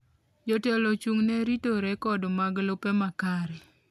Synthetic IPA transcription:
d͡ʒotɛlɔt͡ʃuŋnɛɾitoɾɛkɔdmaɡlopɛmakaɾɛ

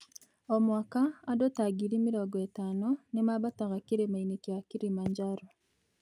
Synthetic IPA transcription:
omwaːkaːdotaɡiɾimiɾoɡɔetaːnonemaβataɣakiɾemainekjakiɾimaɲd͡ʒaɾo

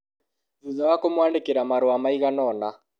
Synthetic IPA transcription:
uðawakomwaːndekeɾamaɾoamaiɣanɔna

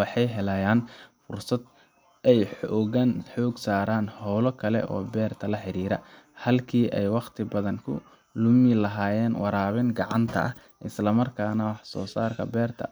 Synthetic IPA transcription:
wɑħɑjɦɛlɐjaːnfʊrsɐd̪ | ɛjɔɣɐnħɔːɡsaːɾaːnhɔwlɔkʰɐlɛ̰ʔɔ̰ːbɛːrt̪ʰɐlɐħɪɾiːɾɐ̰hɐlkʰiːʔɛjwɑqt̪ʰɪbɐðɐŋkʰʊ̰ | lʊmɪlɐɦaːjɛːnwɑɾaːβɪŋɡɑʕɑnt̪ʰɐ̰ʔɐh | ʔɪslɐmɐrkʰaːnɐwɑħsɔ̰ːsaːrkʰɐ̰bɛːrt̪ʰɐ̰

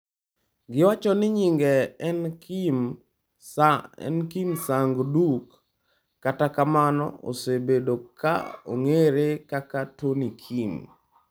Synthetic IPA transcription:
ɡɪwat͡ʃɔnɪɲiŋɡɛnkim | ɛ̰nkimsaŋɡdukː | atakamanɔ̰o̰sebedoka̰o̰ŋeɾekakatonikʰim

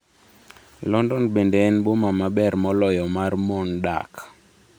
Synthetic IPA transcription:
lɔndɔnbendɛɛnbomamabɛrmɔlɔjɔmarmɔnda̰k

